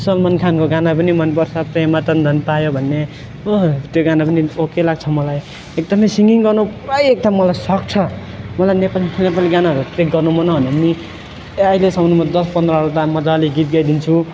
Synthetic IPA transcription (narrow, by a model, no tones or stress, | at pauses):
sʌlmʌnkʰankoɡanapʌnimʌnpʌrt͡sʰʌpremat̪ʌnd̪ʱʌnpajobʱʌnːe | ot̪joɡanapʌniokelaɡt͡sʰʌmʌlaj | ek̚d̪ʌmʌjsiŋɡiŋɡʌrnupʌjek̚d̪ʌmːʌlajsʌk̚t͡sʰʌ | mʌlajnepalinepaliɡanaɦʌɾuʈrek̚ɡʌrnumʌnɦʌnemi | ailesʌmnumʌd̪ʌspʌnd̪rʌɦʌɽut̪amʌd͡zʌliɡit̪̚ɡʌjd̪int͡sʰu